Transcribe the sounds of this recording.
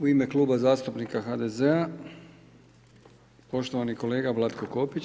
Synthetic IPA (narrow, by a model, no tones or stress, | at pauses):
uime̞klˠuːbazaːst̪upnikaxad̪e̞zea | po̞ʃt̪oʋaniko̞le̞ːɡaʋlˠad̪ko̞ko̞pit͡ɕ